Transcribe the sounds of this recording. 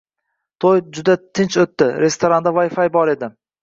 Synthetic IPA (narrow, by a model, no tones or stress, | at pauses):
t̪ʰojd͡ʒʊd̪at̪ʰɪnt͡ʃot̪ːɪɾe̞st̪ʰoɾand̪avajfajbɒɾe̞d̪ɪ